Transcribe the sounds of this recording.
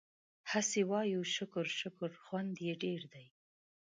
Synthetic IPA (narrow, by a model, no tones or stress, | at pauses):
hasewɑjuʃʊkʊɾʃʊkʊɾxwand̪jeɖeɾd̪aj